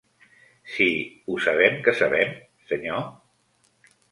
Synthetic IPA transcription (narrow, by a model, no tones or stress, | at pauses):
siusaβ̞ɛmkəsaβɛm | səɲo